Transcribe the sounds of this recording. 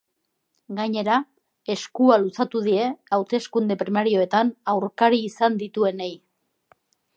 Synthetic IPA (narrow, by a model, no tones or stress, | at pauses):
ɡaɲe̞ɾa | e̞skualusat̪uð̞ie̞awt̪e̞skund̪e̞pɾimaɾio̞e̞t̪anawɾkaɾiːsand̪it̪ue̞ne̞j